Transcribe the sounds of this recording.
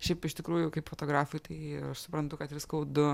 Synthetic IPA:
ʃʲɛɪpɪʃt̪ʲɪkɾuːjʊkɐɪpfoːt̪oːɡɾɑːfʊɪt̪ɐɪɐʃsʊpɾɐnt̪ʊkɐt̪ʋʲɪskɐʊd̪ʊ

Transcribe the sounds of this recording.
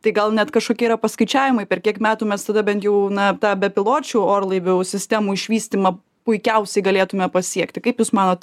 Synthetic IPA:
t̪ɐɪɡɐlˠnʲɛt̪kɐʃkoːkʲiɛiɾɐpɐskɐɪt͡ʃʲæːʋʲɪmɐɪpʲɛrkʲiɛkmʲæːt̪uːmʲɛst̪ɐd̪ɐbʲɛnt̪jɛʊnɐt̪ɑːbʲɛpʲɪlˠoːt͡ʃʲuːoːrlˠɐɪʋʲosʲɪsʲt̪ʲæːmuːɪʃʲʋʲiːsʲt̪ʲiːmɐ | pʊɪkʲɛʊsʲɛɪɡɐlʲeːt̪ʊmʲɛpɐsʲiɛkt̪ʲɪkɐɪpjuːsmɑːnoːt̪

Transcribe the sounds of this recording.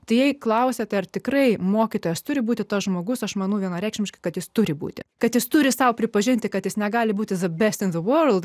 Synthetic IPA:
t̪ɐɪjɛɪklˠɐʊsʲɛt̪ʲɛɐrt̪ʲɪkɾɐɪmoːkʲit̪oːjɛst̪ʊɾʲɪbuːt̪ʲɪt̪ɐsʒmoːɡʊsɐʃmɑːnɐʊʋʲiɛnɐɾʲɛɪkʃʲmʲɪʃkɐɪkɐt̪jɪst̪ʊɾʲɪbṵːt̪ʲɪ̰kɐt̪jɪst̪ʊɾʲɪsɐʊpʲɾʲɪpɐʒʲɪnʲt̪ʲɪkɐt̪jɪsnʲɛɡɑːlʲɪbuːt̪ʲɪðɐbʲɛsʲt̪ʲɪnðɨʋoːɾlˠd̪

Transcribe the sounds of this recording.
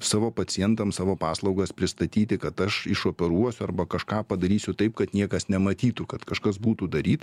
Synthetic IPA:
sɑːʋoːpɐt͡ssʲɪjɛnt̪ɐmsɑːʋoːpɑːslˠɒʊɡɐspʲɾʲɪst̪ɐt̪ʲiːt̪ʲɪkɐt̪ɐʃɪʃoːpʲɛɾuɔsʲʊɐrbɐkɐʃkɑːpɐd̪ɐɾʲiːsʲʊt̪ɐɪpkɐt̪nʲiɛkɐsnʲɛmɐt̪ʲiːt̪ʊkɐt̪kɐʃkɐsbuːt̪ud̪ɐɾʲiːt̪

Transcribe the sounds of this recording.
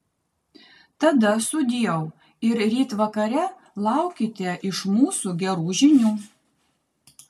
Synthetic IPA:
t̪ɐd̪ɐsʊd̪ʲiːjɛʊ | ɪɾɾʲiːt̪ʋɐkɐɾʲɛ | lˠɑˑʊkʲɪt̪ʲɛʔɪʃmuːsuɡʲɛɾuːʒʲɪnʲuː

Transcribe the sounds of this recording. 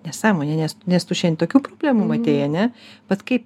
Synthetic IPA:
nʲɛsɑːmoːnʲɛnʲɛsnʲɛst̪ʊʃʲɛnʲt̪oːkʲuːpɾoːbʲlʲæmumɐt̪ʲeːjɐnʲɛpɐtskɐɪp

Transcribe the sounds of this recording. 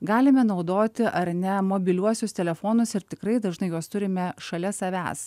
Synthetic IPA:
ɡɑːlʲɪmʲɛnɒʊd̪oːt̪ʲɪʔɐɾnʲɛmoːbʲɪlʲuɔsʲʊst̪ʲɛlʲɛfoːnʊsɪɾt̪ʲɪkɾɐɪd̪ɐʒnɐɪjoːst̪ʊɾʲɪmʲɛʃɐlʲɛsɐʋʲæ̰ːs

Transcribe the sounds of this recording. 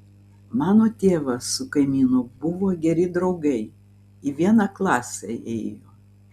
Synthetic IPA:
mɑːnoːt̪ʲeːʋɐsʊkɐɪmʲiːnʊbʊʋoːɡʲɛɾʲɪd̪ɾɐʊɡɐɪ | iʋʲiɛnɑklˠɑːsʲɛɛːɪjoː

